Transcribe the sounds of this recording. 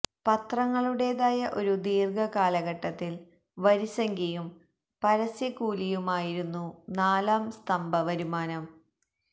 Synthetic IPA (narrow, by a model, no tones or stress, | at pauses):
pɐt̪rɐŋːɐɭuɽe̞ːðaːjɐʔo̞ɾud̪iːrɡɐkaːlɐɣɐʈːɐt̪ːil | ʋɐɾisɐŋɡijum | pɐɾɐsjɐkuːlijumaːjiɾunːunaːlaːmst̪ɐmbɐʋɐɾumaːnɐm